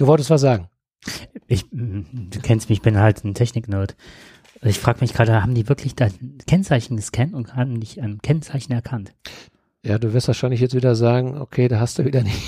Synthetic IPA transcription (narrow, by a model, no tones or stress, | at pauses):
d̥uːvɔltəstv̥as̬z̥aːɡŋ̩ | ʔɪçd̥uːkʰɛnstmɪɪçb̥ɪnhaltntʰɛçnɪknoːt | ɪçfʁ̥aːɡəmɪçɡ̥ʁaːdəhaːbm̩diːvɪɐkʰlɪçd̥aɪnkʰɛnt͡saɪçn̩ɡəskʰɛntʊnthaːbm̩dɪçaɪnkʰɛnt͡saɪçn̩ɛɐkʰant | jaːduːvɪɐstv̥aːɐʃaɪnlɪç̬jɛt͡stv̥iːdɐzaːɡŋ̩o̰kʰeːdaːhastd̥uviːdɐnɪç